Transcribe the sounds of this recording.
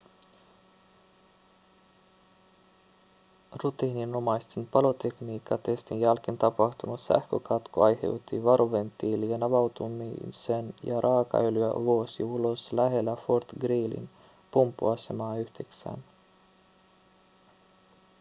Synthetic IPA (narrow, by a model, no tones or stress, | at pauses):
rut̪iːninomɑjst̪enpɑlo̞t̪e̞kniːkːɑt̪e̞st̪injælk̟int̪ɑpɑht̪unut̪sæ̰hkøkɑt̪koɑjhe̞wt̪ːiʋɑɾuʋe̞nt̪ːiːlienɑʋɑwt̪umḭsenjɑ̰ɾʔɑːkɑ̰ylyæ̰ʋuosḭulo̞slæɦe̞lːæfort̪ɡriːlḭn | pumpːṵɑse̞mɑːyhd̪̥eksæ̰n